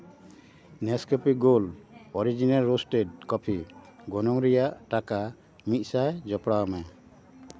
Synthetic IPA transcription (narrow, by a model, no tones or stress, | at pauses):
nɛskɔpiɡolɔɾid͡ʒinalɾosʈeʈ̚kɔpʰiɡɔnɔŋɾɛjaʔʈaka | mit̪̚ˀsajd͡ʒɔpɽawmɛ